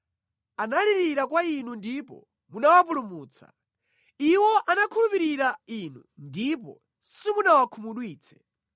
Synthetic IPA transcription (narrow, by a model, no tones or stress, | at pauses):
analiɾiɾak̬wainundipɔ̰ | munawap̬ulumuːt͡sʰa̰ | iwɔʔanakʰulupiɾiɾain̤undipɔ̰ | simunawakʰumuɗwiːt͡sʰɛ̥